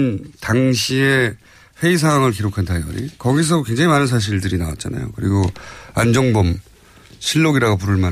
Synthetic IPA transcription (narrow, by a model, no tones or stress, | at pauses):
ntaŋɕʰie | ɸe̞isʰaŋɦwaŋɯɭk̬iɾokʰantʰajɡʌ̰ɾḭkʌɡis̬ʰʌkwe̞ŋd͡ʑaŋimanɯns̬ʰaɕ̬ʰiɭdɯɾinawa̰t̚t͡ɕ͈ana̰jo̰kɯɾiɡoand͡ʑʌŋbʌm | ɕʰiɭːoɡiɾaɡop̬uɾɯɭman